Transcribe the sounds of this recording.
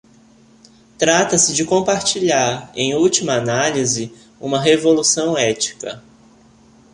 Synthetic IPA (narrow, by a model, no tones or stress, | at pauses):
t̪ɾat̪ɐsɪd͡ʒɪkõpaɾt͡ʃiʎaɾẽj̃uwt͡ʃimɐːnalizɪ | ũmɐɦevolusɐ̃w̃ɛt͡ʃi̥kɐ̰